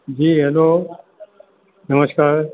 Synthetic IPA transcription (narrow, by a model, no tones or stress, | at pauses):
d͡ʑiːɦeːloː | nəməskaːɾ